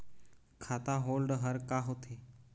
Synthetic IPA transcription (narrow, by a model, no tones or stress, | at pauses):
kʰat̪aɦolɖɦəɾkaɦot̪ʰe